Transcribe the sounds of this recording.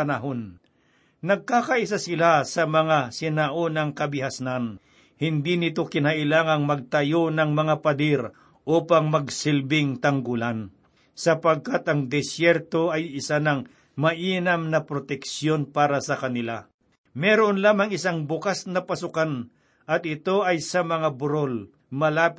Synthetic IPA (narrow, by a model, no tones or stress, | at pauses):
ɐnɐɦon | nɐɡ̚kakɐʔɪsasɪlasɐmɐŋasɪnaʔonɐŋkɐbɪɦasnan | hɪnd̪inɪt̪o̞kɪnaʔɪlaːŋɐŋmɐɡ̚t̪ɐjonɐŋmɐŋapɐd̪iɾ | ʔuːpaŋmɐɡsɪlbɪŋt̪ɐŋɡulan | sɐpɐɡ̚kat̪ɐŋd̪ɛsjɛɾt̪o̞ɐjɪsanɐŋ | mɐʔiːnɐmnɐpɾot̪ɛksjo̞npaːɾasɐkɐnɪla | mɛːɾoʔonlaːmɐŋɪsaŋbʊkasnɐpɐsʊkan | ʔɐt̪̚ɪt̪o̞ɐjsɐmɐŋabʊɾol | mɐlaːp